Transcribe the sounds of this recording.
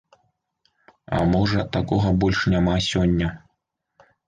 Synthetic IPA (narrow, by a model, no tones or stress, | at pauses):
ɐ̰mɔʐɐt̪akɔɣɐbɔlʲʂnʲamasʲɔnʲːɐ